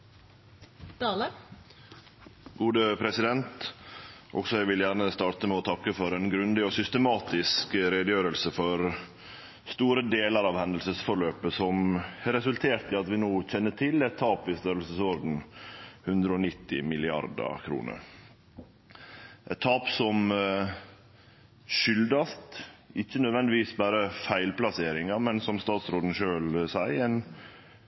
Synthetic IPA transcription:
d̪̥ɑːlə | ɡuːd̪əpʰɾɛsɪd̪ɛnt̪ | ʔɔ̰ksɔæɪʋɪljæːɾɳəst̪ɑːt̪əmɛɔt̪ʰɑkːəfɔɾɛnɡɾʉnd̪ɪɔsʏst̪əmɑːt̪ɪskɾɛd̪əjøːɾəlsəfɔɾ | st̪uːɾəd̪eːləɾɑːʋhɛnd̪əlsəsfɔɾɭøːpəsɔmɛɾɛsʉlt̪ʰeːɾt̪ɪɑt̪ʋɪnoːçɛnːəʈʰɪlɛt̪ʰːɑːpʋɪst̪øɾlsəsɔɾd̪n̩hʉnd̪ɾəɔnɪt̪ːɪ̰mɪlɪɑ̰ɾd̪ə̰kʰɾṵːnə̰ɾ | ʔɛt̪ʰːɑːpsɔm | ʃʏld̪ɑst̪ɪçːənœd̪ʋɛnd̪ɪʋiːsbæːɾəfæɪlplɑseːɾɪŋɑmɛnsɔmst̪ɑːt̪sɾoːd̪n̩ʃøːlsæɪɛn

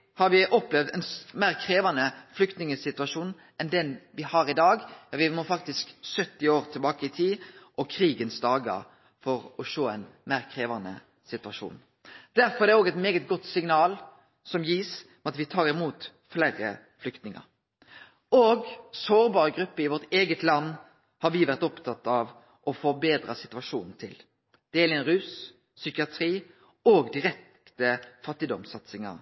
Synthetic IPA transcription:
hɑɾʋɪʔɔpːlɛʋd̪ɛnmæːʁkʰɾeːʋɑnəflʏkt̪nɪŋəsɪt̪ʉɑʃuːn | ʔɛnd̪ɛnʋɪhɑɾɪd̪ɑːɡjɑʋɪmɔfɑk̚t̪ɪsksœt̪ːɪoːɾt̪ʰɪlbɑːkəɪt̪ʰiːʔɔkʰɾiːɡənsd̪ɑːɡə̰ | fɔʁɔʃoːɛɪnmæːʁkʰʁeːʋɑnə̰ | sɪt̪ʉɑʃṵːn | d̪̥æɾfɔɾɛdɛoːɡɛt̪meːɡət̪̚ɡɔt̪ːsɪŋnɑːl | sɔmjiːsmɛɑt̪ʋɪt̪ʰɑːʁɪmuːt̪ | fleːɾə | flʏkt̪nɪŋə̰ɾ | oːɡsoːʁbɑːɾəɡɾʉpːəɪʋɔʁt̪eːɡət̪lɑnː | hɑɾʋɪʋæʁt̪ɔpt̪ʰɑt̪ːɑʋ | ʔɔfɔbeːd̪ʁɑsɪt̪ʉɑʂuːnn̩t̪ʰɪl | d̪̥ɛːɛlɪɛnɾʉːsː | ʏkɪɑt̪ʰɾiː | oːɡd̪ɪɾɛk̚ | t̪əfɑt̪ːɪd̪ɔmsɑt̪sɪŋɑ̰ɾ

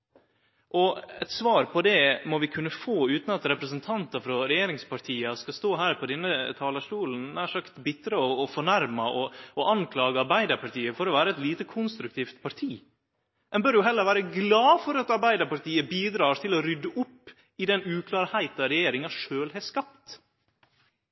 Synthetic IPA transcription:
ʔɔɛ̰t̪sʋɑːɾpʰɔd̪ɛmɔʋɪkʰʉnːəfoːʉːt̪n̩ɑt̪ɾɛpɾɛsənt̪ʰɑnt̪ɑfɾɔɾɛjeːɾɪŋspʰɑʈʰiːəskɑst̪oːɦæːɾpʰɔd̪ɛnːət̪ʰɑːləʂʈuːln̩næːʂɑkt̪bɪt̪ːəɾəɔːfɔɳæɾmɑʔɔɔʔɑŋkʰlɑːɡəɑɾbæɪd̪əɾpɑʈʰiːəfɔɾɔʋæːɾəɛt̪liːt̪əkʰʊnst̪ɾʉk̚t̪ʰiːft̪pʰɑɾt̪ʰiː | ɛnbœɖʊɦɛlːəɾʋæːɾəɡlɑːfɔɾɑt̪ɑɾbæɪd̪əɾpɑɾʈ̪ʰiːəbiːd̪ɾɑːt̪ʰɪlɔɾʏd̪əʔʊpː | ɪd̪ɛnʉːkʰlɑːɾhæɪt̪ɑɾɛjeːɾɪŋɑʂøːlhɛskɑp̚t̪

